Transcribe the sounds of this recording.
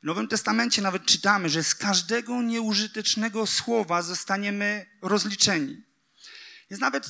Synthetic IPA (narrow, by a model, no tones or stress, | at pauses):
vnɔvɘmt̪ɛst̪amɛnt͡ɕɛnavɛt̪̚t͡ʂɘt̪amɘʐɛskaʐd̪ɛɡɔɲɛuʐɘt̪ɛt͡ʂnɛɡɔswɔvazɔst̪aɲɛmɘɾɔzlʲit͡ʂɛɲḭ | jɛ̃navɛt̪